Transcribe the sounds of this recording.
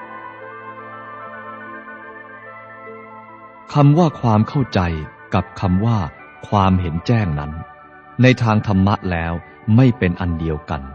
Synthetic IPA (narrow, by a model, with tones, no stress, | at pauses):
kʰa˧mwaː˥˩kʰwaː˧mkʰa˥˩wt͡ɕa˧j | ka˨˩p̚kʰa˧mwaː˥˩ | kʰwaː˧mɦe˩˦nt͡ɕɛː˥˩ŋna˦˥n | na˧jt̪ʰaː˧ŋt̪ʰa˧mːa˦˥ʔlɛː˦˥w | ma˥˩jpe˧nʔa˧ndi˧əwka̰˧n